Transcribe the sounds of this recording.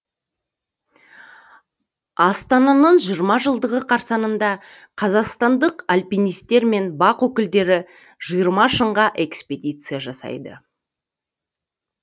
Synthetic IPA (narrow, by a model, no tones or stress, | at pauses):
ɑst̪ɑnɑnəɴʒijəɾmɑʒəlˠd̪əʁəqʰɑɾsɑnənd̪ɑ | qʰɑzɑqst̪ɑnd̪əqalʲpijnijst̪e̞ɾme̞nbɑqwɵkʲɪld̪e̞ɾɪ | ʒ̥ijəɾmɑʃəɴʁɑʔe̞kspʲe̞d̪ʲijt̪sɨjaʒɑsɑ̰jd̪ə̰